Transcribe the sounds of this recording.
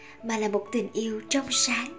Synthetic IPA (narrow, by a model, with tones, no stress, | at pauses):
maː˨˩laː˨˩mo˨˩t̚t̪ï˨˩ŋ̟ʔi˧əwt͡ɕɔ˧wŋ͡msaː˨˦n